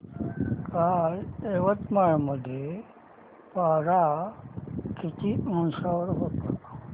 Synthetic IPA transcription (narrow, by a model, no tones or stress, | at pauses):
kaleʋət̪maɭməd̪ʱːje | paɾa | kʰit͡ʃimunsaʋəɾɦot̪a